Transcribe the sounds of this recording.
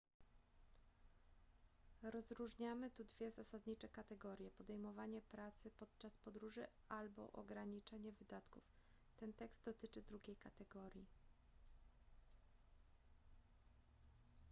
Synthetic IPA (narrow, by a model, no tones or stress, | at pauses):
ɾɔzɾuʐɲamɘt̪ud̪vʲjɛzasad̪ɲit͡ʂɛkat̪ɛɡɔɾʲjɛpɔd̪ɛjmɔvaɲɛpɾat̪sɘpɔt̪̚t͡ʂaspɔd̪ɾuʐɘ | albɔ̰ʔɔ̰ɡɾaɲit͡ʂɛɲɛvɘd̪at̪kuf | t̪ɛnt̪ɛkst̪d̪ɔt̪ɘt͡ʂɘd̪ɾuɡʲejkat̪ɛɡɔɾʲji